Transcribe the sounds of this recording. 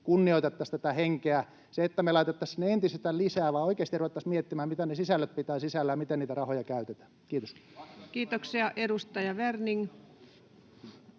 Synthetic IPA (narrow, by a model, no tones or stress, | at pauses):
kunːioit̪et̪ːɑst̪æt̪æheŋkeæ | seet̪ːæmelɑˑit̪et̪ːɑsneent̪isest̪ællisæːʋɑoikeːst̪iruʋet̪ːɑsmiet̪ːimæhæmmit̪ænesisælːøt̪̚pit̪æːsisælːæjɑmit̪eniːt̪ærɑhojɑkæyt̪et̪æ̥ | kiːt̪oskiːt̪oksiɑʔedust̪ɑjɑʋerniŋ